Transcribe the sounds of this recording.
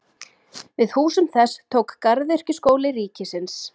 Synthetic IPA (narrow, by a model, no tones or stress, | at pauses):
vɪðhuːsʏmθɛst̪ʰoːwkːaɾðœr̥cʏskoːwlɪɾiːcɪsɪns